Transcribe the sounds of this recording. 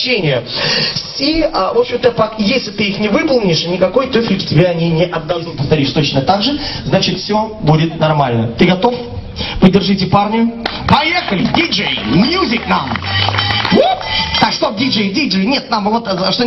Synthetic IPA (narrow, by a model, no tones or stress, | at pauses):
enʲɪjəsʲiəvo̞pɕɪmt̪əpɐkjesʲlʲɪt̪ɨixnʲɪvɨpəlˠnʲɪʂanʲɪkɐko̞jt̪ofʲlʲɪktʲɪbʲaɐnʲinʲɪʔɐb̪̚d̪ɐɨpəft̪ɐɾʲiʃt̪o̞t͡ɕnət̪aɡʐɨznat͡ɕɪt̪fsʲo̞budʲɪt̪nɐrmalʲnət̪ɨɡɐt̪o̞f | pədʲɪrʐɨtʲɪparnʲɪjʊpɐjexəlʲɪdʲiʐɨjmjuzʲɪtʲnam | vot̪t̪akʂt̪ovdʲiʐɨjdʲid͡ʐɨjnʲet̪namvot̪ʂt̪o